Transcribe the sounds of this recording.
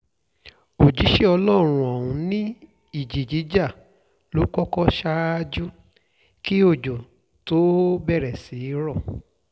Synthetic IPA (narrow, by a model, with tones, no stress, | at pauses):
o˨d͡ʒi˨˦ʃe˦ɔ˧lɔ˦˨ɾ̃ũ˨ɔ˨ũ˧nĩ˦ | i˦˨d͡ʒi˨d͡ʒi˨˦d͡ʒa˦˨ | lu˨˦kɔ˦kɔ˦ʃa˧˦d͡ʒu˦ | ki˦o˦˨d͡ʒo˨ | to˨˦bɛ˦˨ɾɛ˨si˨˦ɾɔ˦˨